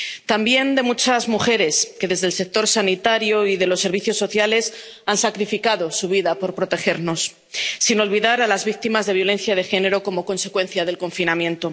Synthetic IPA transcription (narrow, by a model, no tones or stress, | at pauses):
t̪ambje̞nd̪e̞mut͡ʃazmuxe̞ɾe̞ske̞ðe̞zðe̞lse̞k̚t̪o̞ɾsanit̪aɾjo̞iðe̞lo̞sːe̞ɾβ̞iθjo̞sːo̞θjale̞s | ansakɾifikaðo̞suβ̞iðapo̞ɾpɾo̞t̪e̞xe̞ɾno̞sː | ino̞lβiðaɾalazβik̚t̪imazðe̞β̞jo̞lẽ̞n̟θjað̞e̞xe̞ne̞ɾo̞ko̞mo̞ko̞nse̞kwe̞n̟θjað̞e̞lko̞ɱfinamjẽ̞nt̪o̞